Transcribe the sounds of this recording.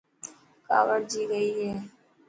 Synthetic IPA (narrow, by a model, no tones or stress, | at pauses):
ka̰ːʋəɾd͡ʒiːɡəiːɦɛː